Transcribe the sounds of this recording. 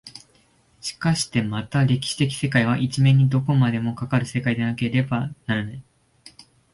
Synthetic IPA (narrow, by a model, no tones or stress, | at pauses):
ɕi̥kaɕi̥t̪e̞mat̪aɾe̞kʲi̥ɕi̥t̪e̞kʲi̥se̞kaiβ̞aʔit͡ɕimẽ̞ɲ̟ːid̪o̞ko̞mad̪e̞mo̞kakaɾɯ̟se̞kaid̪enake̞ɾe̞banaɾanai